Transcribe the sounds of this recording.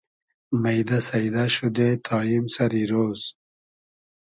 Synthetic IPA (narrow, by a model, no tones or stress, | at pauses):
majd̪asajd̪aʃud̪et̪ʰɑːimsaɾiɾoːz̥